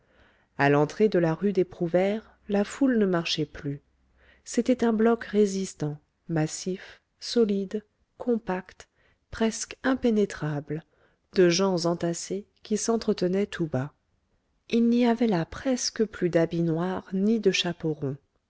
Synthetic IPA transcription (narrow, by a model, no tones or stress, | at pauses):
alɑ̃t̪χed̪əlaʁyd̪epχuvɛʁ | lafulnəmaʁʃɛply | set̪ɛt̪ɛ̃blɔkʁezist̪ɑ̃ | masif | sɔlid̪ | kʰɔ̃pakt̪ | pχɛskɛ̃penet̪χabl | d̪əʒɑ̃zɑ̃t̪ase | kʲisɑ̃t̪χət̪ənɛt̪ʰuba | ilniavɛlapχɛskəplyd̪abinwaʁnid̪əʃapoʁɔ̃